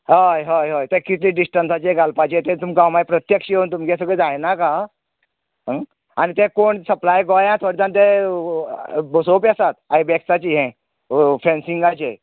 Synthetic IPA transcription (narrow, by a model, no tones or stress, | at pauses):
ɦəjɦəjɦojt̪ẽkit̪liɖisʈənsat͡ɕeɡalpat͡ɕet̪ẽt̪umkãwmajpɾət̪jəkɕiont̪umkẽsəɡɭed͡zajnaka | anit̪ẽkoɳsəplajɡɔjãt̪ʰoɽt͡s̪ãnt̪e | bosopasat̪̚ajbɛksat͡ɕiɦɛ̃ | fẽnsiŋɡat͡ɕe